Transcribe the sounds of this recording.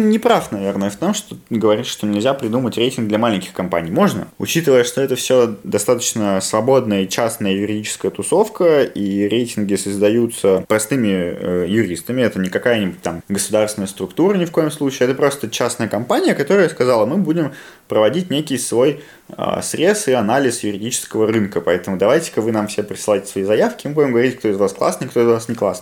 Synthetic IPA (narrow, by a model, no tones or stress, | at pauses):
nʲɪpɾafnɐvʲe̞rnəjəft̪o̞mʂt̪oɡəvɐɾʲit̪ʂt̪onʲɪlʲzʲapɾʲɪd̪umətʲɾʲejtʲɪnɡ̚d̪lʲɐmalʲɪnʲkʲɪxkɐmpa̰nʲijmo̞ʐnə̰ʊ̰t͡ɕit̪ɨvəjəʂt̪oɛt̪əfsʲod̪ɐst̪at̪ə̥t͡ɕnəsvɐbo̞d̪nəjəit͡ɕasnəjəjʊɾʲɪdʲit͡ɕɪ̥skəjət̪ʊso̞fkəiɾʲejtʲɪnɡʲɪsəzd̪ɐjut̪səpɾɐst̪ɨmʲɪə̰jʊɾʲist̪əmʲɪɛt̪ənʲɪkɐkajənʲɪbʊt̚ʲt̪ːamɡəsʊd̪arsvʲɪnəjəst̪ɾʊkt̪uɾənʲɪfko̞jɪmslˠut͡ɕɪːɛt̪əpɾo̞st̪ət͡ɕasnəjəkɐmpanʲɪjəkɐt̪o̞ɾəjəskɐzɑlˠəmɨbudʲɪm | pɾəvɐdʲit̚ʲnʲekʲɪjsvo̞j | ə̰sɾʲe̞sɨɐnalʲɪsjʊɾʲɪdʲit͡ɕɪ̥skəvəɾɨnkəpɐɛt̪əmʊd̪ɐvajtʲɪ̥kəvɨnamfsʲɪepɾʲɪ̥sɨlˠaɪtʲɪsvɐizɐjafkʲɪmɨbudʲɪmɡəvɐɾʲitʲk̚t̪o̞ɪzvasklˠa̰snɨkt̪o̞ɪzvasnʲɪklˠasnɨ